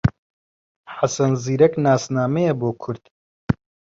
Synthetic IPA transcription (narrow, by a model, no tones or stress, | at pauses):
ħasɐnziːɾɐknaːsnaːmɛjɛboːkʰʊɾd̪̥